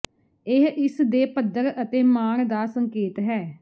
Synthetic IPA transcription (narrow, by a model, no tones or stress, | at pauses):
ɪɦʔɪsd̪eːpəd̪əɾət̪eːmaːɳd̪aːsəŋkeːt̪ɦɛː